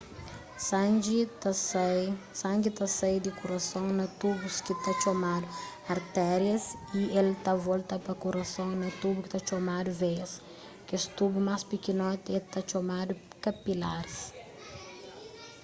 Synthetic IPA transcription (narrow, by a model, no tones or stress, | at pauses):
s | sãŋɡit̪ɐsajd̪ikuɾɐsõŋnɐt̪ubuskit̪at͡ʃomad̪ʊ | ɐɾt̪ɛɾjɐsielt̪avolt̪ɐpɐkuɾɐsõŋnɐt̪ubukɪ̥t̪at͡ʃomad̪uves | kest̪ubumaspikinɔt̪ɛt̪at͡ʃomad̪ukɐpilaɾs